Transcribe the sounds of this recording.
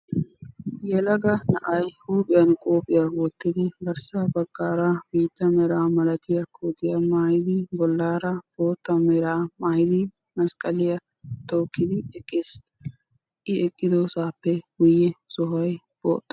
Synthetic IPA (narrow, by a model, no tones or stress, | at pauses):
jɛlɐɡɐnɐʔɐjhuːpʼɪjɐnkʼoːpʼːɪjaːwɔt̪ːɪd̪ɪɡɐɾsɐbɐɡːaːɾabiːt̪ːɐmɛɾaːmɐlɐt̪ɪjɐkʰoːd̪ɪjɐmaːhɪd̪ɪbɔlːaːɾɐb̥oːt̪ːɐmɛɾaːmaːhɪd̪ɪ | mɐskʼɐlɪjɐ | t̪oːkːɪd̪ɪɛkʼːeːs | ʔɪɛkʼːɪd̪oːsaːpːɛɡʊjːɛsɔɦɐj | b̥o̰ːt̪ʼːɐ